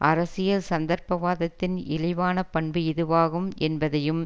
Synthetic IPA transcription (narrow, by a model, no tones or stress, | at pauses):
ʔɐɾɐsɪjɐlsɐnd̪ɐɾpɐʋaːðɐt̪ːɪnɪlɐʋaːnɐpɐɳbɯɪðɯʋaːɣɯmɛnbɐðɐjɯm